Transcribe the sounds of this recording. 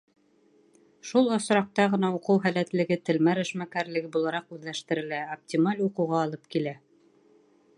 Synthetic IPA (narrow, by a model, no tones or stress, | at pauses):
ʃulˠŏsɾɑq̚t̪ɑʁɤ̆nɑuqɤwɦælæt̪lɘ̆ɡɘt̪ɘ̆lmæɾɘ̆ʃmækæɾlɘ̆ɡɘbulˠɑɾɑqʉðlæʃt̪ɘ̆ɾɘ̆læop̚tʲimalʲuqɤ̆wʁɑːlˠɤpkilæ